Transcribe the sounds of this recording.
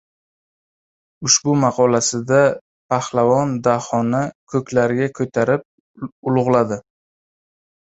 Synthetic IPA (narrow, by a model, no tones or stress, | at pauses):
ʊʃbʊmɑqʰɒlasɪd̪a | pʰahlavɒnd̪ahɒnakʰɵkʲlaɾɪɡʲakʰɵt̪ʰaɾɪp̚ | ʊlˠʊʁlˠad̪ɪ